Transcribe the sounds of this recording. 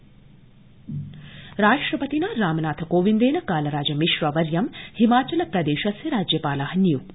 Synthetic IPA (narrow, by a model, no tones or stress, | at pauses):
ɾaːʂʈɾɐpɐt̪inɐɾaːmɐnaːt̪ʰɐkoːʋind̪eːnɐkaːlɐɾaːd͡ʒɐmiʃʋɐʋɐɾjɐmhimaːt͡ʃɐlɐpɾɐd̪eːʃɐsjɐɾaːd͡ʒjɐpaːlaːɦɐnijuk